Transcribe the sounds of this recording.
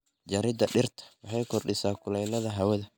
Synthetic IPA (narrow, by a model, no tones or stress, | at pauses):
d͡ʒɐɾɪd̪ɐɗɪrt̪ʰɐ̥wɑħɑjkʰɔrɖɪsaːkʰʊlɛjnɐðɐɦɐwɐðɐ